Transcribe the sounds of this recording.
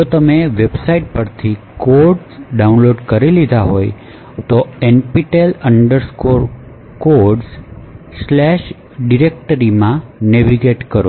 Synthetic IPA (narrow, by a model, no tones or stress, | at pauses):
d͡ʒot̪əmeʋebsaiʈ̚pəɾt̪ʰikoɾɖsɖaunloɖkəɾilid̪ʱaɦoj | t̪oenpiʈeləɳɖəɾskoɾ | koɾɖsslɛʃ | ɖiɾek̚ʈəɾimãneʋiɡeʈkəɾo